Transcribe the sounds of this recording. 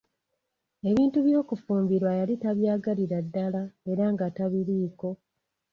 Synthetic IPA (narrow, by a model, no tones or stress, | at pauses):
e̞βiːntuβjo̞ːkufuːmbiɾwajalitaβjaːɡaliɾadːalae̞ɾaŋɡataβiɾiːko̞